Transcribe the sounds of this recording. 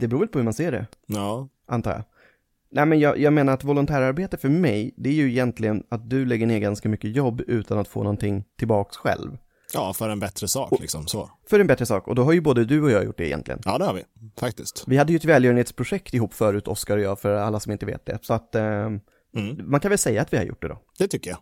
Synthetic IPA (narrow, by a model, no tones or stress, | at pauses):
d̪ɛbɾuːvɛlpʰɔhɵmanseːɖɛ̰ɑː | ʔant̪ʰɑːɾja̰ | nɛmɛnjɑjɑːɡmeːnaɾat̪vɔlʊnt̪ʰæːɾaɾbeːt̪əfœɾmɛjd̪ɛæɾjɵɪjɛnt̪ʰlɪɡənat̪̚d̪ɵlɛɡːəɳɪːɾɡanskamʏkːəjɔbːʉ̟ːt̪ʰanat̪fo̰ːnɔnt̪ʰɪŋːt̪ʰɪlbɑːksɧɛ̰lv | jɑːfœɾɛnbɛt̪ɾəsɑ̰ːklɪ̰ksɔ̰msɔ | fœɾɛnbɛt̪ɾəsɑ̰ːkɔ̰d̪ɔɦaɾjɵboːd̪əd̪ɵɔjɑːjʊ̰ʈ̚ːɖ̪ɛ̰jɛ̰nt̪lɪ̰ə̰nʔɑ̰ːd̪ɛhaɾvɪ̰fak̚t̪ɪst̪vɪhad̪ːəjɵɛt̪vɛːljœɾənheːt̪spʰɾʊʂɛkt̪ɪɦuːpːfœːɾʉ̟ːt̪ʰɔskaɾɔjɑːfœɾalːasɔmɪnt̪əvḛːt̪̚d̪ɛ̰sɔat̪ | mankʰanvɛlsɛjːaːt̪vɪha̰ɾjʊ̰ʈ̚ːɖ̪ɛ̰d̪ɔ̰ːd̪̥ɛt̪ʰʏkːəja̰